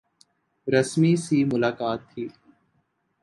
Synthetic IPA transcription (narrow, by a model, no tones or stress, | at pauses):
ɾəsmiːsiːmʊlaːkaːt̪ʰːiː